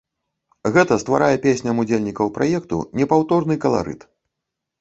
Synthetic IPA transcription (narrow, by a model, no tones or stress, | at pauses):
ɣɛt̪ɐst̪vaɾajɛpʲesʲnʲɐmud͡zʲelʲnʲikɐwpɾajɛkt̪ṵnʲɛpawt̪ɔrnɨkɐlˠa̰ɾɨ̰t̪